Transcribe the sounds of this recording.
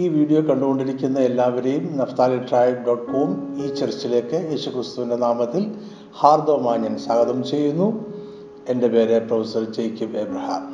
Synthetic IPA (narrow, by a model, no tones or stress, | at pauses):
iːʋiːɽijo̞ːkɐɳɖuɣo̞ɳɖiɾikʲːunːɐelːaːʋɐɾe̞jumnɐft̪aːliʈraːjɡɐkːuːumiːt͡ɕert͡ɕːile̞ːkːɨjeːɕukrɨst̪uʋinde̞naːmɐt̪ːil | haːrd̪oːmaːɲːɐnsaːɡɐðɐmt͡ɕe̞jːunːu | e̞nde̞pe̞ːɾeprɐʋisɐrd͡ʑejkʲːumebrɐhɐ̰m